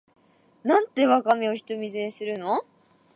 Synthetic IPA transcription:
nãnt̪ːe̞βakamʲio̞çi̥t̪o̞mʲizeːsɨɾɯ̟no

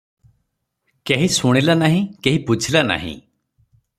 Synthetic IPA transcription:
keɦĩsuɽ̃ilanaɦĩkeɦiput͡ʃʰilana̰ɦḭ̃

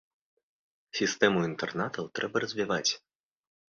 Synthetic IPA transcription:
sʲist̪ɛmuint̪ɛrnat̪ɐwt̪ɾʔɛbɐrɐzʲvʲivat͡sʲ

